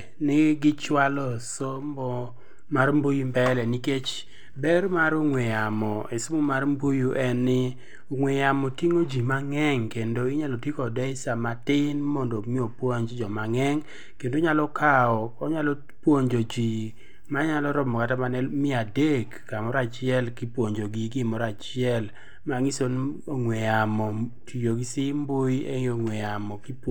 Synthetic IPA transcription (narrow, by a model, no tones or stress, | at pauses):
nɪɡɪt͡ʃwalɔsombɔ | marmbojumbɛlɛniket͡ʃ | bɛrmaɾoŋwejamɔesomomarmbojuʔɛnːɪ | ʊŋwejamɔtiŋod͡ʒimaŋɛŋkendoɪɲalotikɔdɛɪsamatɪnmɔndɔmɪopwoɲd͡ʒd͡ʒɔmaŋɛŋ | kendoɲalɔkʰaɔɔɲalɔ | pwoɲd͡ʒod͡ʒi | maɲalɔɾɔbmɔkatamanɛmɪadekːamɔɾat͡ʃɪɛlkɪpwoɲd͡ʒoɡiɡɪmɔɾat͡ʃɪɛl | maŋɪson | oŋwɛjamɔtʰijoɡisɪmboeŋoŋwɛjamɔkip